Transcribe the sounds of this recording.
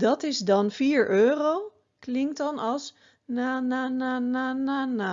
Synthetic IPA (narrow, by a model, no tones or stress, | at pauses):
dɑtɪsdɑnfiːɹʔøːrow | klɪŋktɑnɑlˠs | nananananana